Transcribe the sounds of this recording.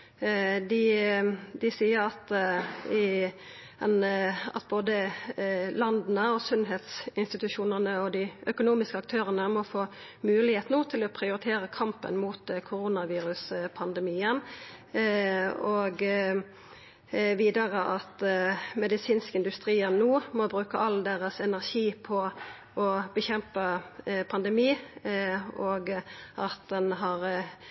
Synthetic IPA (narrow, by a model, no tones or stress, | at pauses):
d̪ɪ | d̪ɪsiːəɾɑt̪ɪ | ɛnɑ̰t̪̚boːd̪ə | lɑnd̪nəɔsʉnɦeːt̪sɪnst̪ɪt̪ʉʃuːnəʁnəɔd̪ɪʔœkʊnuːmɪskəɑk̚t̪ʰøːʁənəmɔfoː | mʉːlɪheːt̪nuːt̪ʰɪlɔpʰɾɪʊɾɪt̪ʰeːɾəkʰɑmpə̰nmuːt̪kʰʊɾunɑʋiːɾʉspʰɑnd̪ɛmiːən | ɔɡ | ʋiːd̪əʁəʔɑt̪mɛd̪ɪsiːnskəɪnd̪ʉst̪ɾiːənːuːmɔbʁʉːkəʔɑld̪eːʁəsɛnæʁçiːpʰɔ | ʔɔb̥əçɛmpəpʰɑnd̪ɛmiː | ɔɡʔɑt̪̚d̪ɛnɦɑʁ